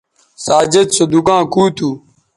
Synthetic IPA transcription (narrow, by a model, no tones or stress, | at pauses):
saːd͡ʑed͡ʒsod̪ukãːkuːt̪ʰuː